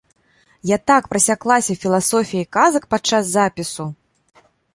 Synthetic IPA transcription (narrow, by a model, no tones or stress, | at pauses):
jat̪akpɾɐsʲaklˠasʲɐfʲilˠasɔfʲijɐikazɐk̚pat͡ʂːazːapʲisu